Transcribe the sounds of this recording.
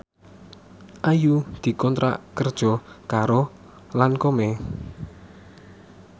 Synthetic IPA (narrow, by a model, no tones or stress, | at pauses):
ʔajud̪̥i̤kɔnt̪ɾa̰kərd̥ʒ̥ɔ̤kaɾo | lankomɛ